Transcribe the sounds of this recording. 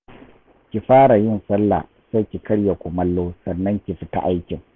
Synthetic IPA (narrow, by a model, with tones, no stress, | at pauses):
kʲi˨ɸaː˦ɽa˨jɪ˦nsɐ˦lːa̰˨ | sɐ˦kʲi˨kɐ˦ɽja˨kʷʊ˨mɐ˦lːoː˦sɐ˨nːɐ˦ŋkʲɪ˨ɸi˦ta̰˦ʔa˦jkʲɪ˨ŋ